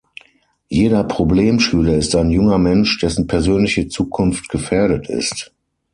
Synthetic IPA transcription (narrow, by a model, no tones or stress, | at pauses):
jeːdɐpʁ̥obleːmʃyːlɐɪstaɪnjʊŋɐmɛnʃd̥ɛsn̩pʰɛɐzøːnlɪçət͡suːkʰʊnftɡ̥əfeːɐɾətɪ̰st